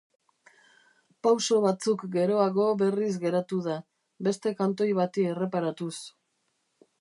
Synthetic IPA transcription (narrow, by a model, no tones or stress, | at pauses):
pawso̞βat͡sukɡe̞ɾo̞aɣo̞βe̞rizɡe̞ɾat̪uða | be̞st̪e̞kant̪o̞jβat̪ie̞re̞paɾat̪us